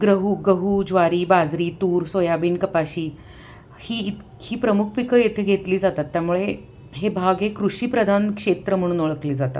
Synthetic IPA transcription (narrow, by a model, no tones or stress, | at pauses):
ɡɾəɦuːɡəɦuːd͡zʋaɾiːbad͡zɾiːt̪uːɾsojabiːnkəpaɕiː | hiːit̪ʰ | hʰiːpɾəmukʰpikəjet̪ʰeɡʱet̪liːd͡zat̪at̪ːjamuɭe | ɦebʱaɡekɾuɕiːpɾəd̪ʱankʂet̪ɾəm̤əɽ̃uːnoɭəkliːd͡zat̪a̰t̪